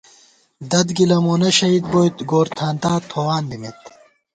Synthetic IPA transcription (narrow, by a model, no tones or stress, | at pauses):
d̪ɐd̪ɡilɐmoːnɐɕɐid̪̚bojt̪ɡoːɾt̪ʰaːnt̪aːt̪ʰoːwaːnb̪imet̪